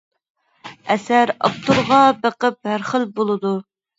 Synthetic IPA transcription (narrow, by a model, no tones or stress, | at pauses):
ɛsæɾɑ̰p̚t̪uɾʁɑbəqəp̚hæɾχəlbolˠɨd̪u